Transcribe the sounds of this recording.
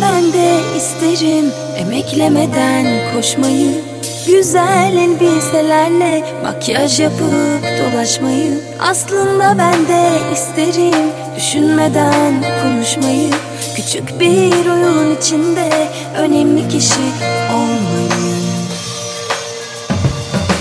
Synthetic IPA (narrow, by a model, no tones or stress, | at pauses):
b̥ænd̪ɛist̪ʰe̞ɾim | emɛclʲeme̞d̪ænkʰo̞ʃmajɯ | ɟyzælʲlbiselʲæɾlʲɛ | ma̰cʰijaʃjapɯd̪̥o̞lˠaʃmajɯm | a̰slˠɯnd̪abænd̪ɛist̪ʰe̞ɾim | d̪̥yʃynme̞d̪ænkʰonuʃmajɯ | cʰyt͡ʃʰycbiɾujuɾunit͡ʃʰind̪ɛ | ø̞nɛmlʲicʰiʃiolˠmajɯm